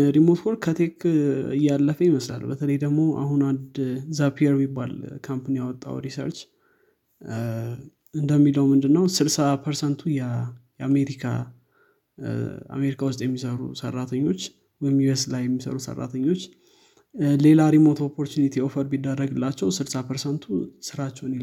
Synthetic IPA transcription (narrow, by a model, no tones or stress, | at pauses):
ɾimot̪kʰoɾkʰət̪ʰekɨjːalːəfəjiməsla̰lbət̪ʰələjd̪əɡmo̞ʔa̰ɦunand̪zapʰiəɾmibːalkʰampanijawɔt̪ʼːa̰wɾisə̰ɾt͡ʃ | ɨnd̪əmːiləwmɨnd̪ɨnːəwsɨɾsapʰəɾsənt̪ʰujɛjame̞ɾikʰa̰ | a̰me̞ɾikʰawʊst̪ʼjɛmːisəɾṵsə̰rːat̪ʰəɲːo̞t͡ʃː | wɔjmjueslajːɛmːisə̰ɾusə̰rːa̰t̪ʰəɲːo̞t͡ʃː | le̞laɾimot̪ʰopʰːo̞ɾt̪ʰunit̪ʰio̞fəɾbid̪ːərəɡɨlːat͡ʃːɛwsɨɾsapʰəɾsənt̪ʰusɨɾat͡ʃːɛwn